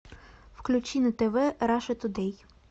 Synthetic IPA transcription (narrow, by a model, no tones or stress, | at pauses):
wklʲut͡ʃʲinɪt̪ɛʋɛɾɑʃet̪ʊd̪ɛj